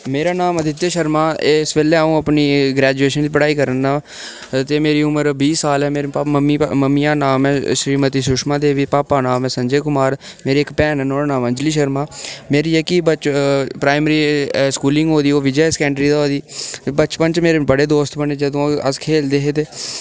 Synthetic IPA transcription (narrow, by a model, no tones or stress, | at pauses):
meːɾaːnaːmd̪ɪt̪ːeːʃəɾmaːesʋeːleːũːəpniːɡɾɛːd͡ʒueːʃənt͡ʃːpəɽaːiːkəɾənːaː | t̪eːmeːɾiːʊməɾbiːsaːlɛːmeːɾeaməmːiːməmːiãːnaːmɛ̃ːʃɾiːmət̪iːsʊʃmãːd̪eːʋiːpaːpaːnaːmɛ̃ːsə̃ɲd͡ʒeːkʊmaːɾ | meːɾeːɪkpɛːnnoːnaːmə̃nd͡ʒliːʃəɾmaːmeːɾiːɛːkɪbət͡ʃpɾaːɪməɾiːskuːlɪ̃ŋɡɦoːd̪iːoːʋɪd͡ʒɛsə̥kɛ̃ːɳɖɾiːd̪aoːd̪iːbət͡ʃpənt͡ʃmeːɾeːbəɽeːd̪oːst̪bəɳeːd͡ʒəd̪õːəskʰeːld̪eːɦeːt̪eː